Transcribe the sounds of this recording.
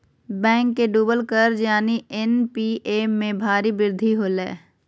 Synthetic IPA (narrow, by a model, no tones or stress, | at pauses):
bɛ̃ːŋkːeɖuːbəlkəɾd͡ʒjaːniʔɛnpiːʔeːmẽbʱaːɾibɪɾd̪ʱiɦoːlɛ̰ː